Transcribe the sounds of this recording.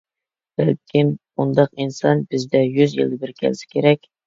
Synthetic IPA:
b̥ælkʲʰɪm | und̪ɑqinsɑ̰nbɪzd̪ɛjyzjɨ̰lˠd̪ɨbɪɾkʲʰɛ̰lsɪ̥kʲʰeɾɛkʲ

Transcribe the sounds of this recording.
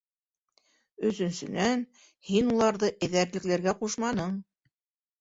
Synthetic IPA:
ɵ̆sɵ̆nsɵ̆næn | hinulˠɑɾðɤʔɘ̆ðæɾlɘ̆klæɾɡæquʃmɑnɤɴ

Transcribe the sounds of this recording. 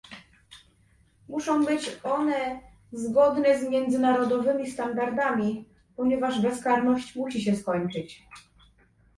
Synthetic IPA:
muʂɔ̃w̃bɘt͡ɕɔnɛ | zɡɔd̪nɛzmʲjɛnd̪zɘnaɾɔd̪ɔvɘmʲist̪and̪aɾd̪amʲi | pɔɲɛvaʐbɛskaɾnɔɕt͡ɕmuɕiɕɛskɔɲt͡ʂɘt͡ɕ

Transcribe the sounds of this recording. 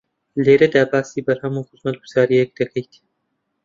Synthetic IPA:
leːɾɐd̪aːbaːsiːbɐɾhɐmuːxɨzmɐt̪̚ɡuzaːɾijɛk̚d̪ɐkʰɐjt̪

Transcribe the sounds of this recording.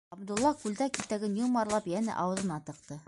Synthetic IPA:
ɑbd̪ulˠːɑkʉld̪ækit̪ːæɡɘnjulˠmɑɾlˠɑpjænɘ̰ʔɑwɤ̆ðɤ̆nɑt̪ɤ̆qt̪ɤ

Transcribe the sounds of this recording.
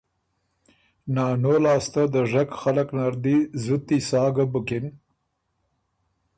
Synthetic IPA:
nɑːnolɑːst̪ad̪əʐakxalaknaɾd̪izut̪ːisɑːɡabʊkɪn

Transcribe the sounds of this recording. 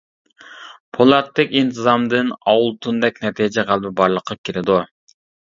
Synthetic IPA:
pʰolˠɑt̪ːɪkʲint̪ʰɨzɑmd̪ɨnɑwulˠt̪ʰund̪ɛk̚ʲnɛt̪ʰijd͡ʒɛʁælˠbɪbɑɾlˠəqʰːɑkʲiɾɪd̪u

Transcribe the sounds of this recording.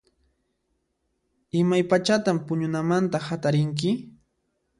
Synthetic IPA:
ɪmajpat͡ʃat̪ampʊɲʊnamant̪ahat̪aɾɪŋk̬ɪ

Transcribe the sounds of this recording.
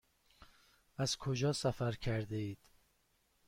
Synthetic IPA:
æz̥kʰod͡ʒɒːsæfæɾkʰæɾd̪eiːd̪̥

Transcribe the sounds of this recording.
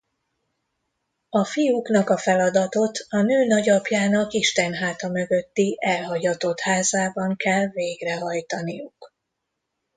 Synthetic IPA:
ɒfijukn̪ɒkɒfɛlɒd̪ɒt̪o̞t̪ɒnøːnɒɟɒpjaːnɒkiʃt̪ɛnɦaːt̪ɒmø̞ɡø̞t̪ːiʔɛlɦɒɟɒt̪o̞t̪haːzaːbɒŋkɛlveːɡrɛɦɒjt̪ɒnijuk

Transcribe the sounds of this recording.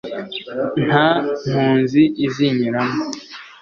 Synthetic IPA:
n̥ham̥huːnziʔːziɲiɾamo

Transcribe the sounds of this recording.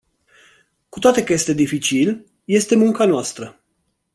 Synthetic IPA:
ku̥t̪oat̪e̞kəje̞st̪e̞d̪ifit͡ʃil | je̞st̪e̞muŋkanoast̪ɾə

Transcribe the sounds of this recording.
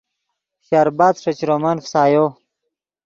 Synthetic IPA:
ɕaːɾbaːd̪ʂɐt͡ɕɾomɐnfsaːjo

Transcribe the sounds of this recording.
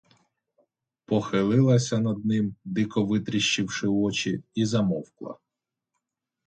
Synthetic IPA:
pɔxɪlˠɪlˠɐsʲɐnɐd̪̚nɪmd̪ɪkɔʋɪt̪ɾʲɪʃt͡ʃɪwʂɪɔt͡ʃiizɐmɔwklˠɐ̰

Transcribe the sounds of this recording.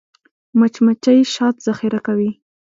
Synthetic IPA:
mat͡ʃmat͡ʃajʃɑt̪z̥axiɾakawi

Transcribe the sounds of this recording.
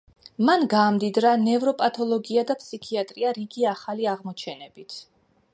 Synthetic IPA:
manɡaːmd̪id̪ɾanɛvɾɔpʼat̪ʰɔlˠɔɡiad̪apʰʼsikʰiat̪ʼɾiaɾiɡiaχaliaʁmɔt͡ʃʰɛnɛb̥it̪ʰ

